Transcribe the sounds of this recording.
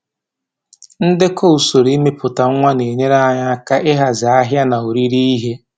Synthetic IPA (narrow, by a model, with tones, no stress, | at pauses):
n̩˦dɪ˦kʰo˦u˨so˨ɾi˦me˦pʊ˨ta˨ŋ̩˦ŋʷa˦ne˨ɲe˦ɾa˦ɲa˦ka˦ʔɪ˦ɦa˨za˨a˦ɦja˦na˨o˨ɾi˦ɾi˦i˦ɦe˦